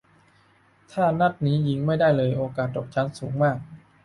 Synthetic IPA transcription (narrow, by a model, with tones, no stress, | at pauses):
t̪ʰaː˥˩na˦˥˩t̪̚niː˦˥ji˧ŋma˥˩jda˥˩jlɤː˧jʔoː˧kaː˨˩t̪̚ːoɔː˨˩k̚t͡ɕʰa˦˥nsuː˩˦ŋmaː˥˩k̚